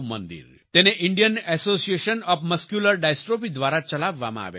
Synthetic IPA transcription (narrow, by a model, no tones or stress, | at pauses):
mə̰nd̪ḭːɾ | t̪eneʔiɳɖijənɛsosieɕənɔfməskjuləɾɖajsʈɾopid̪ʋaɾat͡ɕəlaʋːa̰ma̰a̰ʋḛ